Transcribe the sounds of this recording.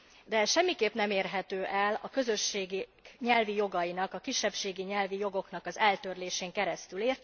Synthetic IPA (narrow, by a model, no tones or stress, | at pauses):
d̪ɛʃɛmːikeːpnɛmeːrɦɛt̪øːʔɛlɒ̰kø̞zø̞ʃːeːɡiɲɛlvijo̞ɡɒjinɒkɒkiʃːɛpʃeːɡiɲɛlvijo̞ɡo̞kn̪ɒkɒzɛlt̪ø̞rleːʃeːŋkɛɾɛst̪yleːrt̪